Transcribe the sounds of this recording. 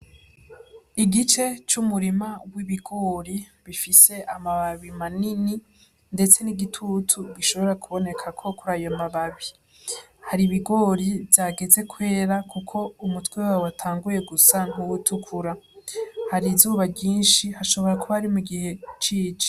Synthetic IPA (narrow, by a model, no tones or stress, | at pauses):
iɡit͡ʃe̞t͡ʃumuɾimawiβiɡo̞ːɾi | βifise̞ʔamaβaβimanini | nde̞t͡se̞niɡitʰutʰuɡiʃo̞βo̞ɾakʰuβo̞ne̞kʰakʰo̞kuɾaːjomaβaβi | haɾiβiɡo̞ːɾivjaːɡe̞ze̞kʰwe̞ːɾakukʰo̞umutwewawatʰaːŋɡuje̞ɡusan̥uwutukʰuɾa | haɾizuːβabɟiːnʃihaʃo̞βo̞ɾakuβaɾimuɡihe̞t͡ʃiːt͡ʃe̥